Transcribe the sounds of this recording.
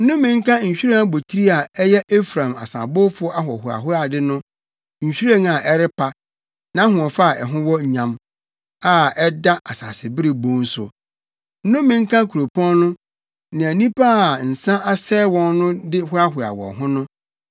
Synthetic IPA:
n̩˦nʊ̃˦mːɪ̃˨ŋ̩˦kʰã˦ɲ̩˨ɕᶣi˦ɾa˦bo˨tʰi˦ɾi˦a˨ɛ˦jɛ˦ʔe˦fɾã˨ma̰˨sã̰˨bʊ˦fʊ˦ɔ˦ʔa˦ɦɔ˨ɦʊ˨a̰˨ɦʊ˦a˨dɪ˦nʊ̃˦ | ɲ̩˨ɕᶣi˦ɾa˦na˨ʔɛ˦ɾɪ˦pʰa˦ | nã˦ɦʊ̃˨ɔ˨fa˦a˨ɛ˨ɦʊ̃˦wɔ˦ɲ˨ɲã˨m | a˦ɛ˦da˦ʔa˨sa̰˨sɪ˨bɪ˦ɾɪ˨bõ˦n̩˦sʊ̰˨ | n̩˦nʊ̃˦mːɪ̃˨ŋ̩˦kʰã˦kʰu˨ɾo˨pʰɔ̃˦nnʊ̃˦ | nã˨æ˨nĩ˦pa˦a˨n̩˨sã˦ʔa˦sɛː˦wɔ̃˦nːʊ̃˦dɪ˦hʊ˦a˦hʊ˨a̰˨wɔ̰̃˨ɦʊ̃˦nʊ̃˦

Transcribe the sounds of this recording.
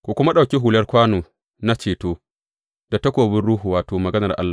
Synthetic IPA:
kʷu˨kʷʊ˦ma˦ɗa˨kʲi˦ɦu˨lɐ˦rkʷaː˦noː˨ | na˦t͡ʃeː˨toː˦ | d̥a˨tɐ˦kʷoː˨bɪ˦nɽuː˦ɦu˨waː˨toː˨mɐ˨ɡɐ˦nɐ˨rʔa̰˦lːaː˨

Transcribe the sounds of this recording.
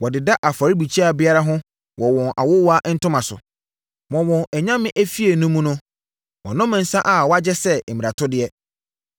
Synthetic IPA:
wɔ˨dɪ˨da˦ʔa˨fa˨ɾi˦bi˨t͡ɕʰi˦a˨bɪ˦a˦ɾa˦ɦʊ̃˦ | wɔ˨wɔ̃˨nʔa̰˨wʊ˦wa˦ʔn̩˦tʊ˦mã˨sʊ̰˨ | mɔ̃˨wɔ̃˨ɛ˨ɲã˦mɪ̃˦ʔæ˦fi˦e˨nʊ̃˦mũ˦nʊ̃˦ | wɔ̃˨nʊ̃˦mã˨n̩˨˦sã˦ʔa˦˨wɔ˦a˦d͡ʑɛ˦sɛ˦˨mĩ˨a˨tʰʊ˦dɪ˦ɛ˦

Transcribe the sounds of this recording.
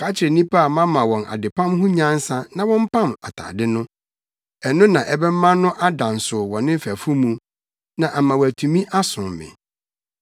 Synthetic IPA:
kʰa˦t͡ɕʰɪ˨ɾɪ˨nĩ˦pʰa˦a˨mã˦mã˨wɔ̃˨nʔa̰˨dɪ˨pʰã˦mɦʊ̃˦ɲã˦n˦sã˦nã˨wɔ̃˦m̩˦pʰã˦˨ma˨tʰa̰ː˨dɪ˦nʊ̃˦ | ɛ˨nʊ̃˦nã˨ʔɛ˦bɛ˦mã˦nʊ̃˦ʔa˦dã˨n˨sʊ˨wɔ̃˨nɪ̃˦m̩˦fæ˨fu˦mũ˨ | nã˨ʔa˨mã˨wæ˨tʰũ˨mĩ˦ʔa˦sʊ̃˨mmɪ̰̃˨

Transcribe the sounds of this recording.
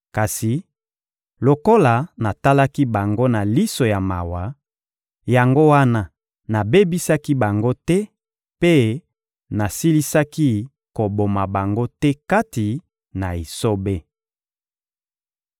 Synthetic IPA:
ka˨si˨ | lo˨ko˦la˨na˨ta˦la˦ki˦ba˨ŋɡo˦na˨li˦so˨ja˨ma̰˨wa˨ | ja˨ŋɡo˦wa˦na˦ | na˨be˦bi˦sa˦ki˦ba˨ŋɡo˦tɛ˦ | pe˦ | na˨si˦li˦sa˦ki˦ | ko˨bo˨ma˨ba˨ŋɡo˦tɛ˦ka˦ti˨ | na˨e˨so˦be˦

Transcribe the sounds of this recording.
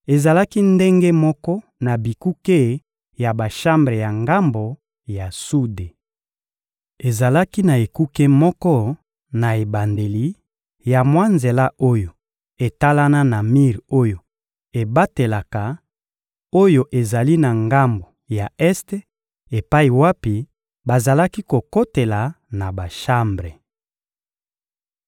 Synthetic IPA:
e˨za˨la˦ki˦nde˦ŋɡe˦mɔ˦kɔ˦ | na˨bi˨ku˦ke˦ | ja˨ba˨ʃa˦mbʁe˨ja˨ŋɡa˦mbo˨ | ja˨su˦de˨ | e˨za˨la˦ki˦na˨e˨ku˦ke˦mɔ˦kɔ˦ | na˨e˨ba˨nde˨li˨ | ja˨mwa˦nze˨la˦o˦jo˨ | e˨ta˦la˦na˦na˨mi˦ʁo˦jo˨ | e˨ba˦te˨la˨ka˨ | o˦jo˨ʔe˨za˨li˦na˨ŋɡa˦mbo˨ | ja˨ɛ˦ste˦ | e˨pa˦i˨wa˦pi˨ | ba˨za˨la˦ki˦ko˨ko˦te˨la˨ | na˨ba˨ʃa˦mbʁe˨

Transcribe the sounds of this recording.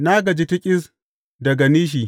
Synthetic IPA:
na˦ɡɐ˨d͡ʒi˦ti˦kʲʼɪ˦s | dɐ˨ɡa˨niː˦ʃ̬i˨

